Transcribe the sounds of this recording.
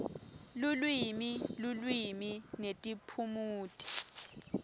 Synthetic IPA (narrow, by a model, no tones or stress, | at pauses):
lulwimilulwiminetʼipʰumuːtʼi̥